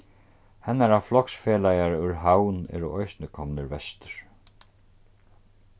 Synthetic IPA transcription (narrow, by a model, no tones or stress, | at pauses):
hɛnːaɾaʋflɔksfɛːlajaɹʏɹɦawnɛ̰ːɾuʔɔjsnɪkʰɔmnɪɾvɛst̪ʏ̥ɹ̥